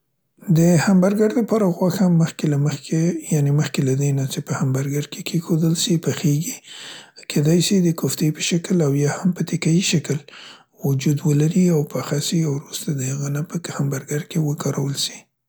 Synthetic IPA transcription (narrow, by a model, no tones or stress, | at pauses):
d̪əhambaɾɡaɾd̪əpɑɾaɣwaxamːəxkelaməxejaneməxkelad̪enat͡ʃepəhambaɾɡaɾkʰekʰexod̪əlsipəxeɡikʰed̪ɑjsid̪əkoft̪epə̥ʃakəlawjɑhampət̪ɪkajiʃakəl | wʊd͡ʒud̪wəlaɾiawpaxasiawɾust̪ad̪əhaɣənapəhambaɾɡaɾkewəkʰɑɾawəlsi̥